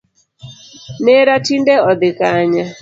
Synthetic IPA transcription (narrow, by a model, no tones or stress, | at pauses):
nɛɾatindɛɔd̪ɪkaɲa